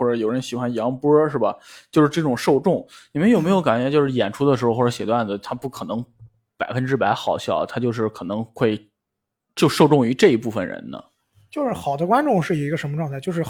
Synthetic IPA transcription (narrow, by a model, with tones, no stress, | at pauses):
xwɔ˥˩ʈ͡ʂɤ˧˥jo˨˩ʊɻə˥nɕi˨˩xwa˥njɑ˧˥ŋpə˥ʂɻ̩˥˩bɐ˩t͡ɕjo˥˧ʊʂɻ̩˥˧ʈ͡ʂɤ˥˩ʈ͡ʂʊ˨˩ŋʂo˥˧ʊʈ͡ʂʊ˥˩ŋni˨˩mə˥njo˨˩me˧˥ɪjo˧˥ʊka˨˩nt͡ɕɥɛ˧˥t͡ɕjo˥˧ʊʂɻ̩˥˩jɛ˨˩nʈ͡ʂʰu˥d̪ə˨˩ʂɻ̩˧˥˧xwɔ˥˩ɤ˧˥ɕjɛ˨˩t̪wa˥˩nd͡zt̪ʰa˥pu˥˩kʰɤ˨˩nɤ˧˥ŋ | pa˨˩ɪfə˥nʈ͡ʂɻ̩˥˩pa˧˥ɪxɑ˨˩ʊɕjɑ˥˩ʊt̪ʰa˥t͡ɕjʊʂ̬ɻ̩˥˩kʰɤ˨˩nɤ˧˥ŋxwe˥˧ɪ | t͡ɕjo˥˧ʂo˥˧ʊʈ͡ʂʊ˥˩ŋy˧˥ʈ͡ʂɤ˥˩i˧˥pu˥˩fə̰˩nɻə̰˧˥nnə̰˧ | t͡ɕjo˥˧ʊʂɻ̩˥˩xɑ˨˩ʊd̪ə˦kwa˥nʈ͡ʂʊ˥˧ŋʂɻ̩˥˩i˧˥i˧˥ɡə˧ʂə˧˥nmə˧ʈ͡ʂwŋʰa˥˧ɪt͡ɕo˥˧ʊʂɻ̩˥˩